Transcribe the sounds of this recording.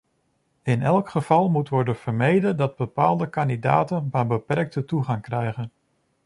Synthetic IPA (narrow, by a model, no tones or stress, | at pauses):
ɪnɛlˠkχəv̥ɑlˠmutʋɔɹdənv̥əɹmejdədɑd̚bəpaːlˠdəkɑndida̰ːtənbabəpɛrk̚tətuχɑŋkrɛjχən